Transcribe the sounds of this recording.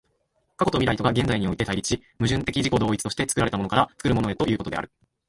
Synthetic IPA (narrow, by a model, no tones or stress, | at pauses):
kako̞t̪omiɾait̪o̞ɡaɡẽ̞nd͡zaiɲ̟io̞it̪e̞t̪aiɾʲit͡ɕimɯ̟ʑɨ̃nt̪e̞kʲiʑiko̞d̪o̞ːit͡sɨ̥t̪oɕi̥t̪e̞t͡sɨ̥kɯ̟ɾaɾe̞t̪amonokaɾat͡sɨ̥kɯɾɯ̟mono̞e̞t̪o̞ʔjɯ̟ːko̞t̪d̪e̞a̰ɾɯ̟